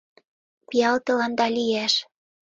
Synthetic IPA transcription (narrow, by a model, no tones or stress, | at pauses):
pijɑlt̪ɤ̆lɑnd̪ɑlʲijæʃ